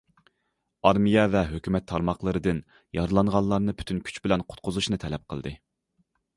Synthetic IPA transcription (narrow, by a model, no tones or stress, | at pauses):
ɑɾmijɛvɛɦøkʲymɛt̪ʰːɑɾmɑχlˠəɾɨd̪ɨn | jɑɾɨlˠɑɴʁɑnlˠɑɾnɨpʰy̥t̪ʰynkʲʰy̥t͡ʃbɪlɛnqʰʊ̥t̪̚qʰʊzuʃnɨt̪ʰɛlɛp̚qʰəlˠd̪ɨ